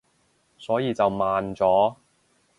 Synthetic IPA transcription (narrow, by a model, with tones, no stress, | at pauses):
sɔː˨˥jiː˨˧t͡sɐ˨wmaː˨nt͡sɔː˨˥